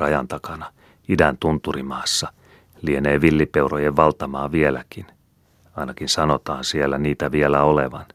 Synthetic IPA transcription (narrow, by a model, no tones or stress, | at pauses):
ɑjɑ̰nt̪ɑkɑnɑ | idænt̪unt̪urimɑːsːɑ | lieneːʋilːipeurojeʋʋɑlt̪ɑmɑːʋielækin | ɑinɑkinsɑno̞t̪ɑːnsielːæniːt̪æʋielæolḛʋɑ̰n